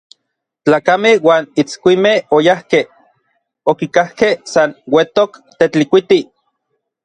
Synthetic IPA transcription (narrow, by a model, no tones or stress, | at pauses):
t͡ɬaːkamehwaːnit͡skʷimehojahkeh | okikahkehsanwet̪okt̪et͡ɬikʷit̪i